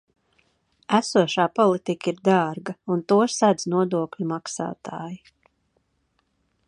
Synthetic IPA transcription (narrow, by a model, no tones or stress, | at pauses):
æsuɔʃaːpɔlˠit̪ikiɾd̪aːɾɡɐunt̪uɔsad̪znuɔd̪uɔkʎʲumaksa̰ːt̪ʰa̰ːji